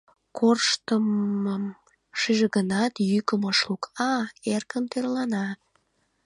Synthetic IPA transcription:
kʰorʃt̪əməm | ʃiʒeɣənɑt̪jykəməʃlukɑerkəmt̪erlɑnɑt̪

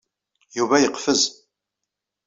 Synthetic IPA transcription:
juvæjəqfəz

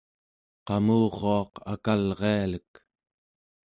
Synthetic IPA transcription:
qɑmuːʁoɑqa̰kalʁealək

